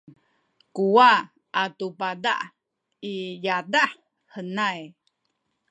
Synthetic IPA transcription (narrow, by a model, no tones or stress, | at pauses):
kuwa | ʔatupada̰ʔ | ijadaħ | hənaj